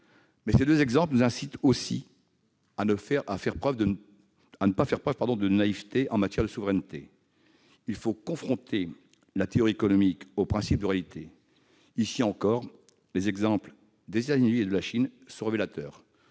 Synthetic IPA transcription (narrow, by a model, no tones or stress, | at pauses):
mɛsed̪øzɛɡzɑ̃plənuzɛ̃sit̪osi | anəfɛʁafɛʁpχœvə | anəpafɛʁpχœv̥paʁd̪ɔ̃d̪ənaivt̪eʔɑ̃mat̪jɛʁd̪əsuvʁɛnt̪e | ilfokɔ̃fχɔ̃t̪ʰe | lat̪eɔʁiekɔnɔmikopχɛ̃sip̚d̪əʁealit̪ʰe | isiɑ̃kɔʁ | lezɛɡzɑ̃pl | d̪ezet̪azynied̪əlaʃinsɔ̃ʁevelat̪œːʁ